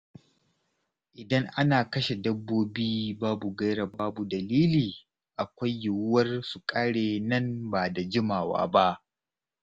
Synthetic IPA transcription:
ʔɪ˨dɐ˦ŋʔa˦naː˨kɐ˦ʃe˨dɐ˦bːoː˦biː˦baː˦bu˨ɡɐ˦jɾa˨baː˦bu˨dɐ˨liː˦liː˨ | ʔa˨kʷa˦jːʊ˨wʊ˦wɐ˦rsu˨kʼaː˦ɽeː˨nɐ˦nbaː˨da˨d͡ʒɪ˦maː˨wa̰ː˦ba˦ʔ

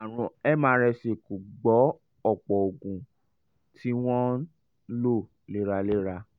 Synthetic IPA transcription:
a˨ɾ̃ũ˧ɛ˦mãː˦ɾɛ˧se˨ku˨ɡ͡bɔ˨˦ | ɔ˦˨k͡pɔ˨o˨ɡũ˨ | tʰi˨˦w̃ɔ̃˦ | lo˦˨ | le˦ɾa˧le˦ɾa˧

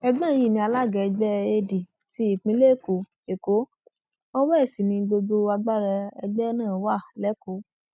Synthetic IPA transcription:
ɛ˧ɡ͡bɛ̃˦˨˦ji˦˨nĩ˧a˧la˦˨ɡɛ˧ɛ˧ɡ͡bɛ˦e˧di˨ | ti˦i˦˨k͡pĩ˧˦le˦˨ko˨ | e˨ko˨˦ | o˦wɛ˦ɛ˦˨si˨nĩ˧ɡ͡bo˧ɡ͡bo˧a˧ɡ͡ba˦ɾɛ˧ɛ˧ɡ͡bɛ˦nãː˦˨wa˦˨lɛ˨˦ko˨˦

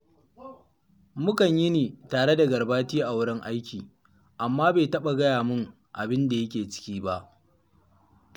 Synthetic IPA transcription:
mʊ˦kɐ˨ɲjɪ˦niː˨taː˨ɽe˦da˨ɡɐ˨rbaː˦tiː˦ʔa˨wʊ˦ɽɪ˦ŋʔa˦jkʲiː˨ | ʔa˨mːaː˦beː˨tɐ˦ɓa˨ɡɐ˦jaː˨mʊ˦ŋ | ʔa̰˨bɪ˦nda˨jɐ˦kʲeː˨t͡ʃɪ̥˦kʲiː˦ba˦ʔ

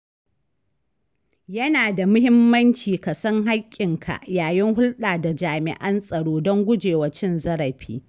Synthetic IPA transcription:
jɐ˦naː˨da˨mʊ˦hɪ˦mːɐ˦nt͡ʃiː˨ka˨sɐ˦ŋɦa˦kʲʼːɪ˨ŋkʰa̰˨ʔjaː˨jɪ˦ŋhʊ˦lɗaː˨da˨d͡ʒaː˨mɪ̰˨ʔɐ˦nsʼɐ˨ɽoː˦dɔ˦ŋɡʷʊ˦d͡ʒeː˨wɐ˨˦t͡ʃɪ˦nzɐ˦ɽɐ˨ɸiː˦

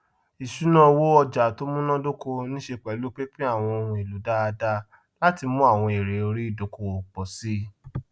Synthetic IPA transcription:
i˨ʃu˨˦nã˦˧wo˦ɔ˧d͡ʒa˨to˦mũ˦nã˦do˦ko˧nĩ˦ʃe˧k͡pɛ˨˦lu˦k͡pe˦k͡pĩ˦a˦˨w̃ɔ̃˧o˧ũ˨e˨lu˨˦da˦a˧da˧ | la˦ti˧mũ˦a˦˨w̃ɔ̃˧e˨ɾe˨˦o˧ɾi˦i˦˨do˨˦ko˧o˨k͡pɔ˨si˦

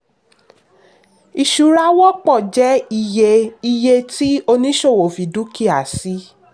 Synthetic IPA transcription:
i˨ʃu˨˧ɾa˧˦wɔ˦k͡pɔ˦˨d͡ʒɛ˨˦i˧je˧i˧je˧ti˦o˧nĩ˦ʃo˦˨wo˨fi˨du˨˦ki˦˨a˨si˦

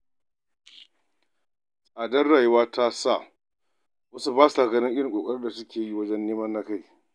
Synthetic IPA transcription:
sʼaː˨dɐ˦rːaː˨ju˦waː˦ta˦sa˦˨ | wɐ˦su˦baː˦su˨aː˨ɡɐ˨nɪ˦ŋʔɪ˦ɽɪ˨ŋkʼoː˨kʼɐ˦ɽɪ˦rda˨sʊ˦kʲʰeː˨ji˦wɐ˦d͡ʒɛ˦nːeː˦mɐ˦nːa˦ka˦j

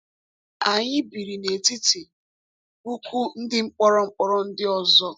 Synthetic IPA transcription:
a˨ɲɪ˦bi˨ɾi˨ne˨ti˦ti˨ | bu˦kʷu˦n̩˦dɪ˦ŋ͡m̩˦k͡pɔ˦ɾɔ˦ŋ͡m̩˦k͡pɔ˦ɾɔ˦n̩˦dɪ˦ɔ˦zɔ˦

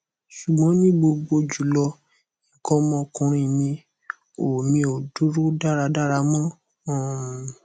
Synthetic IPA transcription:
ʃu˨ɡ͡bɔ̃˨˦nĩ˦ɡ͡bo˧ɡ͡bo˧d͡ʒu˨lɔ˧ | i˨kɔ˦mɔ̃˦kũ˧ɾ̃ĩ˧˨nĩ˧ | o˨mĩ˧o˨du˨˦ɾu˦da˦˨ɾa˧da˦ɾa˧mɔ̃˦˨

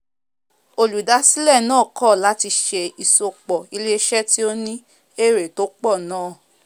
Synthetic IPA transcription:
o˧lu˨da˨˦si˦lɛ˦˨nãː˦˨kɔ˦˨la˨˦ti˧ʃe˧i˨so˧k͡pɔ˨i˨˧le˦ʃɛ˦ti˦o˦nĩ˦ | e˦˨ɾe˨to˦k͡pɔ˦˨nãː˦˨

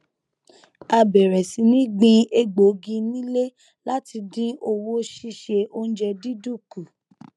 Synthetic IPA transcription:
a˧bɛ˨ɾɛ˨si˨˦nĩ˦ɡ͡bĩ˧e˧ɡ͡bo˨˦ɡĩ˧nĩ˦le˦ | la˦ti˧dĩ˦o˧wo˦ʃi˦˧ʃe˧ʔo˧n̩˦d͡ʒɛ˧di˦du˦˨ku˨

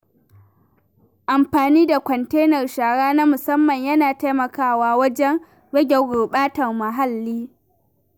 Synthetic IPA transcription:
ʔa˨mɸaː˨niː˦da˨kʷɔ˨nteː˦nɐ˨rʃaː˨ɽaː˦naː˦mʊ˨sɐ˦mːɐ˨ɲjɐ˦naː˨ta˦jmɐ˨kaː˦˨waː˦wɐ˦d͡ʒɛ˦ŋ | ɽɐ˦ɡʲɛ˨ɡo˨ɓaː˦tɐ˨rmɐ˨ɦa˦lːiː˦

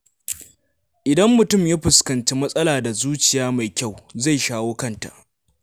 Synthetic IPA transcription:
ʔɪ˨dɐ˦mːʊ˨tʊ˦˨mja˦ɸʊ˨skɐ˨nt͡ʃi˦mɐ˦sʼɐ˦laː˨da˨zuː˦t͡ʃɪ˨jaː˦ma˨jkʲa˦˨wza˦˨jʃaː˦woː˦kɐ˦nta̰˨ʔ

